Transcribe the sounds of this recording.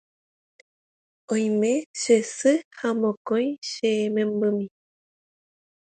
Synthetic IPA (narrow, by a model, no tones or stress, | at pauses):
õj̃mẽʃesɨhamõkõjʃemẽmbɨmĩ